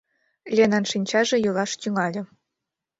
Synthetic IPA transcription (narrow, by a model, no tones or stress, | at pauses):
lʲenɑnʂinʲt͡ɕɑʐɤ̆jɤlˠɑʃt̪ʲyŋɑlʲɤ̆